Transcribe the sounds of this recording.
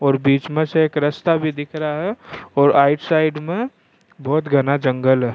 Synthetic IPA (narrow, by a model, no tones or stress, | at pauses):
ɔːɾbiːt͡ʃmẽseeːkɾəst̪abʱid̪ɪkʰɾəaɦɛɔːɾaːɪʈsaːɪɖmẽ | bɔːt̪ɡʱənad͡ʒə̃ŋɡəlɦɛ